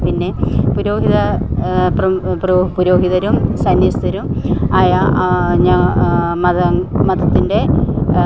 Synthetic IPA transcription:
pinːepuɾo̞ːɦiðɐprɐpropuɾo̞ːɦiðɐɾumsɐnjɐst̪ɐɾumaːjaɲamɐɐmɐd̪ʱɐt̪ːinde̞

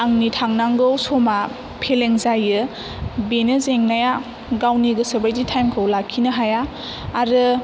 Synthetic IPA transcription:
aŋnitʰaŋnaŋɡɯwsoma | pʰeleŋzajɯ | benɯzeŋnaja | ɡawniɡɯsɯbajditʰajmkʰɯwlakʰːinɯɦajaː | ɾɯ

